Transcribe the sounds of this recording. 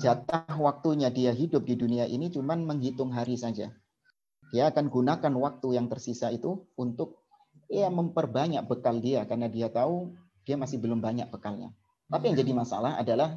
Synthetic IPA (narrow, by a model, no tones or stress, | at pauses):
d͡ʒat̪ahwak̚t̪uɲadiaɦidʊp̚diduniaʔḭnit͡ʃumanməŋɦit̪ʊŋɦaɾisad͡ʒa̰ | d̥iaːkanɡunakanwak̚t̪ujaŋt̪ərsisait̪uunt̪ʊk̚ | jaməmpərbaɲak̚bəkaldiakarnadiat̪au | d̥iamasɪhbəlʊmbaɲa̰k̚b̥əkalɲa̰ | t̪apijaŋd͡ʒadimasa̰laɦa̰dalah